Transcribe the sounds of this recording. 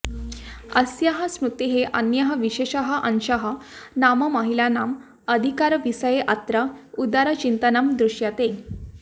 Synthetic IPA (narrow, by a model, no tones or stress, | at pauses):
əsjaɦəsmɾut̪iɦeʔənjəɦəʋiɕeɕəɦəʔənɕəɦənaməməɦilanam | əd̪ʱikaɾəʋisəjeʔat̪ɾəud̪aɾət͡ɕint̪ənamd̪ɾuɕjat̪e